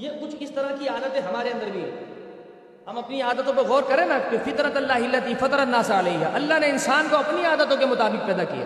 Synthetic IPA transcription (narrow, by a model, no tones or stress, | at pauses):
jekʊt͡ʃʰɪst̪ɐɾakiaːd̪ət̪ẽɦɐmaːɾeɐ̃nd̪əɾbʱiɛ | ɦɐmɐpniaːd̪ət̪õpeɣɔːɾkɐɾẽːnakefɪt̪nət̪ɐlːaːɦɪlːɐt̪ifɐt̪ɾɐnaːsalɐiɦa̰ʔɐlːaɦneɪnsaːnkoɐpniaːd̪ət̪õkemʊt̪aːbɪk̚pɛːd̪akḭja̰ː